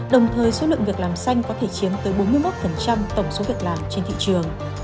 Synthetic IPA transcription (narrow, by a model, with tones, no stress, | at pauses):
ɗə˨˩wŋ͡mt̪ʰəː˨˩jso˨˦lɨ̰˧˨ŋvi˨˩ək̚laː˨˩msa˧jŋ̟kɔ˨˦t̪ʰe˧˩t͡ɕi˨˦əmt̪əː˨˦jɓo˨˦nmɨ˧jmo˦˥t̚fə˨˩nt͡ɕa˧mt̪ə˧˩wŋ͡mso˨˦vi˨˩ək̚laː˨˩mt͡ɕe˧nt̪ʰḭ˧˨t͡ɕɨ˨˩əŋ